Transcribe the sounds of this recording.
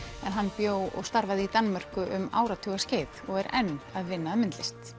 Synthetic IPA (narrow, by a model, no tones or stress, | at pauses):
ɛnɦanːpjoːwɔ̰ɣst̪aɾvaðɪit̪anːmar̥kʏʔʏma̰ːwɾat̪ʰʏɣasceːjðɔɣɛɾɛnːaðvɪnːaːðmɪnt̪lɪst̪